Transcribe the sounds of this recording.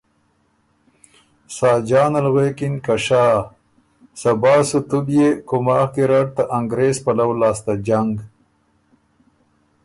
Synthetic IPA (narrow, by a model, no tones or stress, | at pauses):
saːd͡ʒɑːnalɣekinkaʂaː | sɐbaːsut̪ubjekʊmaːkiɾaʈ̚t̪aʔaŋɡɾeːspalawlaːst̪ad͡ʒaŋɡ